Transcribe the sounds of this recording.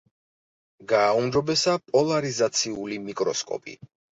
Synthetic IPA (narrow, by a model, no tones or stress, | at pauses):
ɡaːumd͡ʒɔbɛsapʼɔlˠaɾizat̪sʰiulimikʼɾɔskʼɔ̰pʼḭ